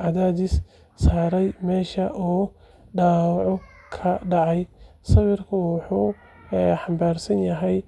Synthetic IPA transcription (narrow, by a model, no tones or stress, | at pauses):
ʕɑðaːðɪsː | aːɾɛjmɛːʃɐʔɔː | ɖaːwɑʕʊ | kʰɐɖɑʕɑjsɐβɪrkʰʊwʊħuː | ħɑmbaːrsɐnjɐɦɛj